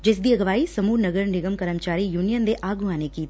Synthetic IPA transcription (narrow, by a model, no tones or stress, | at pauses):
d͡ʒɪs̬d̪iɐɡɐʋaːisɐmuːɾnɐɡəɾnɪɡəmkɐɾəmt͡ʃaːɾijuːnijənd̪eʔaːɡʱuaːnekiːt̪